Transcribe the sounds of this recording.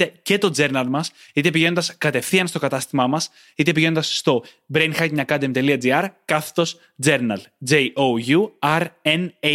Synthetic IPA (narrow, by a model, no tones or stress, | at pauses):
ece̞t̪o̞d͡ze̞ɾnɐlmɐsit̪e̞piʝe̞nond̪ɐskɐt̪e̞fθiɐnst̪o̞kɐt̪ɐst̪imɐmɐs | it̪e̞piʝe̞nond̪ɐsːt̪o̞ | bɾenxɐcɲɐkɐd̪emt̪e̞liɐd͡ziɐɾkɐθt̪o̞s | d͡ze̞ɾnɐld͡zejʔoʝuɐɾene